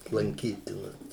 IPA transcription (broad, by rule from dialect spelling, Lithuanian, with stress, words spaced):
lˠɐŋʲˈkʲiːtʲɪnɐs